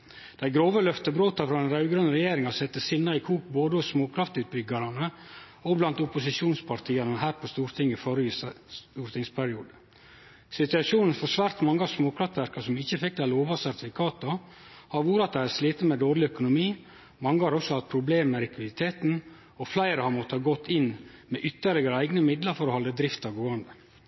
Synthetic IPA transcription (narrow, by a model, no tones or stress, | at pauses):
d̪̥æɪɡɾoːʋəlœft̪əbɾoːt̪ɑfɾɑɛnɾɑʉɡɾœnɾɛjeːɾɪŋɑsɛt̪ːəsɪnːɑɪkʰuːk̚boːd̪əɔsmoːkʰɾɑft̪ʉːt̪̚bʏɡɑɾɑnə | ɔblɑnt̪ʊpʊsɪʃuːnspʰɑɾt̪ʰiːɑnəɦæːɾpʰɔst̪uːɾt̪ʰɪŋːəɪfɔɾəisuːɾt̪ʰɪŋspʰæɾɪuːd̪ə | sɪt̪ʉɑʂuːnn̩fɔʂʋæɾt̪mɑŋːəɑʋsmoːkʰɾɑft̪ʋæɾkɑsɔmɪçəfɪk̚d̪æɪloːʋɑsæɾt̪ɪfɪkʰɑːt̪ɔ | hɑɾʋuːɾəɑt̪̚d̪æhæɾsliːt̪ət̪mɛd̪oːɾɭɪœkʊnʊmiː | mɑŋːəhɑɾɔksɔhɑt̪̚pʰɾʊbleːmmɛɾɪkʰʋɪd̪ɪt̪ʰeːt̪n̩ | ɔflæɪɾəhɑɾmɔt̪ːəhɑːɡɔt̪ʰːɪnːmɛʔʏt̪ːəɾɭɪɡəɾəæɪɡnəmɪd̪ləɾfɔɾɔhɔlːəd̪ɾɪft̪ɑɡoːɑnd̪ə